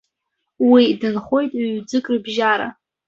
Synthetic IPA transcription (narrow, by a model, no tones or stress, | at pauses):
widɨnχo̞jtʼɥɥd͡zɨkʼrɨbʒaɾa̰